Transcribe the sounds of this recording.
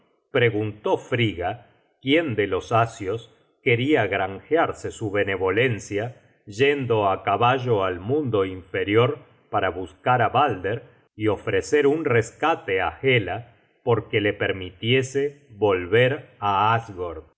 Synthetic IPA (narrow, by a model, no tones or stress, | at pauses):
pɾe̞ɣunt̪ofɾiɣa | kje̞nd̪elo̞sasjo̞s | ke̞ɾiaɣɾaŋxjaɾsesuβe̞ne̞βo̞lensja | ʒend̪o̞akaβaʒo̞almũnd̪o̞iɱfe̞ɾjo̞ɾ | paɾaβuskaɾaβald̪eɾ | io̞fɾeseɾunreskat̪eaxela | po̞ɾkele̞peɾmit̪jese | βo̞lβeɾaazɣoɾð